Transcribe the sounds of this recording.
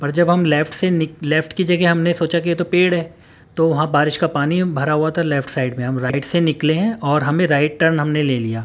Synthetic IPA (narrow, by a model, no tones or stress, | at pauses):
pɐɾd͡ʒɐbɦɐmlɛfʈsenɪlɛːfʈkid͡ʒɐɡeɦɐmnesoːt͡ʃakijet̪opeːɽɦɛː | t̪oʋɐɦãbaːɾɪʃkapaːnibʱɐɾaɦuat̪ʰalɛːfʈsaːɪɖmẽɦɐmɾaːɪɪʈsenɪkleɦɛ̃ʔɔːɾɦɐmẽɾaːɪʈ̚ʈəɾnɦɐmneleːlijaː